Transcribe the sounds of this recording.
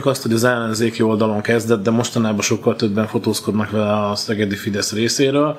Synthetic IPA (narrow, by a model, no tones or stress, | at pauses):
kɒst̪ho̞ɟɒzɛlːɛnzeːkio̞ld̪ɒlo̞ŋkɛzd̪ɛt̪̚d̪ɛmo̞ʃt̪ɒnaːbɒʃo̞kːɒlt̪øbːɛɱfo̞t̪oːsko̞d̪nɒkʋɛlɛɒsɛɡɛd̪ifid̪ɛsreːseːɾøːl